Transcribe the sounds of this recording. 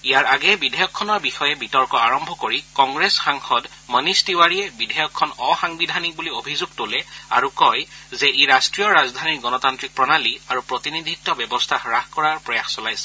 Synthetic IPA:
ijaɹaɡɛbidʱɛjɔkʰːɔnɔɹbixɔjɛbitɔɹkɔaɹɔmbʱɔkoɹikɔŋɡɹesxaŋxɔd | mənistiwaɹiɛbidʱɛjɔkʰːɔnɔxaŋbidʱanik̚buliobʱizuɡ̚tolɛa̰ɹukɔjzɛʔeɹastɹijɔɹazdʱaniɹɡɔnɔtantɹik̚pɹɔnaliaɹupɹotinidʱitːɔbɛbɔstʰaxɹaxkɔɹaɹpɹɔjaxsɔlajsɛ̥

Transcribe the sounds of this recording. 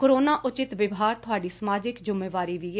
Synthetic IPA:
koɾoːnaːʔʊt͡ʃɪt̪ʋɪʋɦaːɾt̪ʰʊaːɖiːsəmaːd͡ʒɪkd͡ʒʊmeːʋaːɾiːʋi

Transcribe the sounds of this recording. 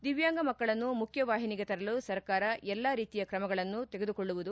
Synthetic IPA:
d̪iʋjaːŋɡɐmɐkːɐɭɐnːumukʰjɐʋaːɦiniɡet̪ɐɾɐlusɐɾkaːɾɐɛlːaːɾiːt̪ijɐkɾɐmɐɡɐɭɐnːut̪eɡed̪ukoɭːuʋud̪u

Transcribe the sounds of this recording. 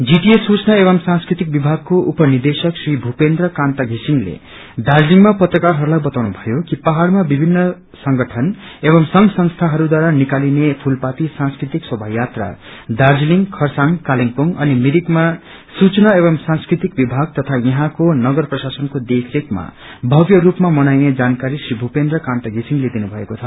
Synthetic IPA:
d͡ziʈiesut͡snaebʌmsãnskɾit̪ik̚bibʱaɡ̚koʔupʌnird̪esʌksribʱupend̪rʌkãnt̪aɡʱisiŋlḛ | d̪ard͡zliŋmapʌt̪rʌkarɦʌɾulajbʌt̪awnubʱʌjokipaɦaɽmabibʱinːʌ | sʌŋɡʌʈʰʌn | ebʌmsʌŋsʌ̃ŋst̪ʰaɦʌɾud̪waɾanikalinepʰulpat̪isãnskrit̪ikswʌbʱaɦjat̪ra̰d̪ard͡zliŋkʰʌrsaŋkaliŋpoŋʌnimiɾikma | sut͡snaebʌmsãnskrit̪ik̚bibʱaɡ̚t̪ʌt̪ʰajʌɦãkonʌɡʌrprʌsasʌnkod̪ekʰɾekma̰ | bʱʌɡjʌrupmamʌnajned͡zankaɾisribʱupend̪rʌkãnt̪aɡʱisiŋled̪inubʱʌekot͡sʰʌ

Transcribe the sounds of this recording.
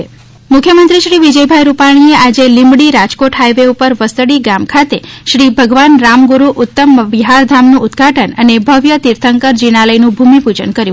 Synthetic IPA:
mʊkʰjəmənt̪ɾiʃɾiʋid͡ʒəjbʱajɾupaɽ̃iead͡ʒelɪmbɽiɾad͡ʒkoʈɦajʋeupəɾʋəst̪əɽiɡamkʰat̪eʃɾibʱəɡʋanɾamɡuɾuʔʊt̪ːəmʋiɦaɾd̪ʱamnũʊd̪ɡʱaʈʰənənebʱəʋjət̪iɾt̪ʰəŋkəɾd͡ʒiɽ̃aləjnũbʱumipud͡ʒənkəɾju

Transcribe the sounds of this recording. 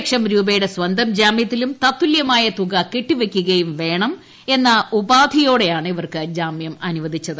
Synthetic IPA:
kʂɐmɾuːbɐjuɽe̞sʋɐnd̪ʱɐmd͡ʑaːmjɐt̪ːilumt̪ɐt̪ːuljɐmaːjɐt̪uɣɐkiʈːiʋekʲːuɣɐjumʋe̞ːɳɐm | e̞nːɐubaːd̪ʱijo̞ːɽe̞jaːɳɨiʋɐrkɨd͡ʑaːmjɐmɐnuʋɐd̪ʱit͡ɕːɐðɨ

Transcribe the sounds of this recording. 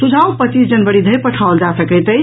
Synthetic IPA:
sud͡ʒʱaũpət͡ʃisd͡ʒənbəɽid̪ʱəjpəʈʰaold͡ʒasəkət̪əj

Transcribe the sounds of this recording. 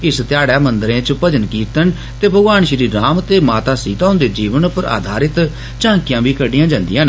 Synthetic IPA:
ɪst̪jaːɽaːmənd̪əɾẽːt͡ʃpəd͡ʒənkiːt̪ən | t̪eːbʱəɡʋaːnʃɾiːɾaːmt̪eːmaːt̪aːsiːt̪aːʊ̃ːnd̪eːd͡ʒiːʋənpəɾʔa̰ːd̪ʱaːɾɪt̪ | t͡ʃãːŋkɪjãːbiːkəɖɪjãːd͡ʒãːnd̪ɪjãːn

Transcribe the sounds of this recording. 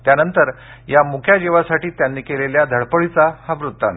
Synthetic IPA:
t̪janənt̪əɾ | jamukʰjad͡ʑeʋasaʈiːt̪janːiːkeleljad̪ʱəɭpəɭit͡sahaʋɾut̪ːa̰n

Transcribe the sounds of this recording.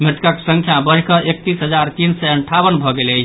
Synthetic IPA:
mɾt̪kake̥səŋkʰjabəɾkəʔek̚t̪isɦəd͡ʒaɾt̪insɛəɳʈʰabənbʱɔɡele

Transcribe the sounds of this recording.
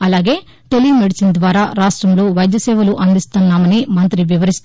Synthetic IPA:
ɐlaːɡe̞ː | t̪olimeɽisind̪ʋaːɾaːɾaːʂʈɾɐmlo̞ːʋɐjd̪jɐsɛːʋɐluʔɐnd̪ist̪unːaːmɐnimɐnt̪ɾiʋiʋɐɾist̪

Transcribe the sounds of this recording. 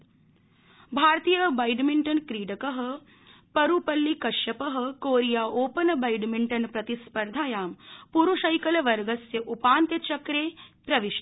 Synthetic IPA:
bʱaːɾt̪ijɐbɐjɖmiɳʈɐnkɾiːɖɐkəɦɐ̆ | pɐɾupɐlːikɐʃjɐpɐɦɐ̆koːɾijaːʔoːpɐnbɐjɖmiɳʈɐnpɾɐt̪ispɐɾd̪ʱaːjaːmpuɾuʃɐjkɐlʋɐɾɡɐsjɐʔupaːnt̪jɐt͡ʃɐkɾeːpɾɐʋiʃ

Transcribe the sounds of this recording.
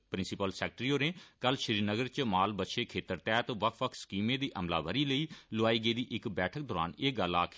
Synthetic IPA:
pɾɪ̃nsɪpəlsɛːk̚ʈɾiːoːɾẽːkəlʃəɾiːɾnəɡəɾt͡ʃmaːlbət̪ːʃeːkʰeːt̪əɾt̪ɛːt̪ʋəkʰʋəkʰskiːmẽːd̪iːʔəmla̰ːʋəɾiːləiːlʊaːiːɡəiːd̪iːʔɪkbɛːʈʰək̚d̪ɔːɾa̰ːneːɡəlaːkʰ

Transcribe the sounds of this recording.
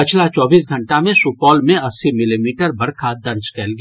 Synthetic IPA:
ɪt͡ʃʰlat͡ʃɔːbiːsɡʱɐ̃ɳʈamẽsuːpɔːlmẽɐsːimɪlimiːʈəɾbɐɾkʰad̪ɐɾd͡ʒkɛlɡa

